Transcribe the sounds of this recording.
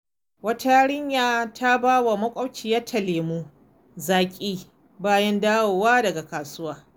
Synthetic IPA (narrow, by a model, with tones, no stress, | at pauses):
wɐ˦ta˦a˦ɽɪ˦ɲjaː˨tʰa˦baː˦wa˨mɐ˦kʷʼɐ˦wt͡ʃiː˨ja˦tʰɐ˨leː˨mu˦ | zaː˨kʲʼiː˦ | baː˦jɐ˦ndaː˦woː˨waː˦dɐ˨ɡa˨kaː˨sʊ˦waː˦˨